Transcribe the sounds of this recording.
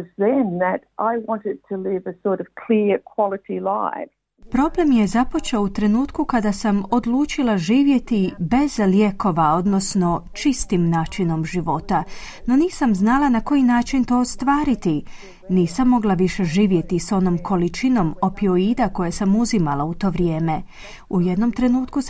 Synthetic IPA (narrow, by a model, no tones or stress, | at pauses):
zðɨ̃nðɨɾʔaɪwɑ̃ntɪd̚tʰəlɪvəsɔɹɾʌv̥kʰl̥iɹkʰw̥ɑlˠəɾilaɪv | pɾo̞ble̞mje̞zapo̞t͡ʃeout̪ɾe̞nuːt̪kukad̪asamo̞d̪luːt͡ʃilˠaʒiːʋje̞t̪ibe̞zlje̞ko̞ʋao̞d̪no̞sno̞t͡ʃist̪imnaːt͡ʃino̞mʒiʋo̞t̪a | no̞niːsamznalˠanako̞jinaːt͡ʃint̪o̞ːst̪ʋaːɾit̪i | niːsamːo̞ɡlˠaʋiʃe̞ʒiːʋje̞t̪iso̞no̞mkʰo̞lit͡ʃino̞mo̞pio̞id̪ako̞jesamuzimalˠaut̪o̞ːʋɾje̞ːme̞ | ujed̪no̞mt̪ɾe̞nuːt̪kus